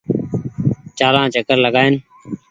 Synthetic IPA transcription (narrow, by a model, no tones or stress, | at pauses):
t͡ʃaːlãːt͡ʃəkəɾləɡaːeːn